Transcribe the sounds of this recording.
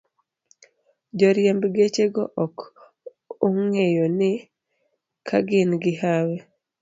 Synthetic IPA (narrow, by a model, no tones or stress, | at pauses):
d͡ʒɔɾjembɡet͡ʃeɡɔʔɔk | oŋejonɪ | kʰa̰ɡɪnɡɪɦawe